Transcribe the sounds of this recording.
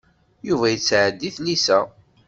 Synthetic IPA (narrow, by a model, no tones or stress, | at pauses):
juvæjət͡sːʕəd̪ːiθlisæ